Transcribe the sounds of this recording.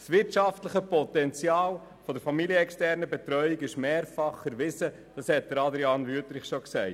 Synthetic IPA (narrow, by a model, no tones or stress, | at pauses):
sʋɪɾtʃɑftləχəpɔt̪ɛnt͡sjɑːl | fɔdəɾfɑmilijəɛkstɛɾnəbɛtɾœʏiɡɪʃmeːɾfɑχəɾʋɪzə | d̥ɑshɛt̚d̪əɾɑd̪ɾiɑnvyətɾɪχʃɔksɛɪt